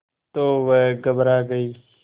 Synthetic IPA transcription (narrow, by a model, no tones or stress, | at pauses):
t̪oːʋəɡəbɾaːɡəiː